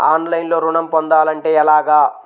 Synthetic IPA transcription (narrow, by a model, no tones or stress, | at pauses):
aːnlɐjnlo̞ːɾuɳɐmpond̪aːlɐɳʈeːɛlaːɡaː